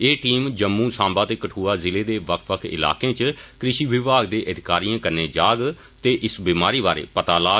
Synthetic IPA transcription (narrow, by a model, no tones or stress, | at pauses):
eːʈiːmd͡ʒəmːũːsãːmbaːt̪eːkəʈʰuːaːzɪleːd̪eːʋəkʰʋəkʰɪ̰la̰ːkẽːt͡ʃkɾɪʃiːʋɪʋaːɡd̪eːʔəd̪ɪkaːɾijãːkəɾneːd͡ʒaːɡ | t̪eːʔɪsbiːmaːɾiːbaːɾḛːpət̪aːlaː